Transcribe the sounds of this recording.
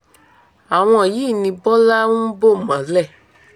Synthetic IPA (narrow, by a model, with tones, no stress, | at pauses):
a˨w̃ɔ̃˧˨jiː˨˦˨nĩ˧bɔ˦la˦ũ˦bo˦˨mã˨˦lɛ˦˨